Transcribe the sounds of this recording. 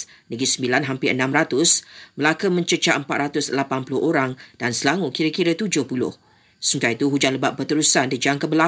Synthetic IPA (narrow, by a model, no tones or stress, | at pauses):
nəɡisəmbilanɦampɪə̰nãmɾat̪ʊsməlakəmə̃ɲt͡ʃət͡ʃaʔəmpat̪̚ɾat̪ʊsəlapanpulʊhʔoɾaŋd̥ansəlaŋukiɾəkiɾət̪ud͡ʒʊhpulʊ̰h | suŋkait̪uɦud͡ʒanləbaʔ̚pərt̪əɾusandid͡ʒaŋkəbəla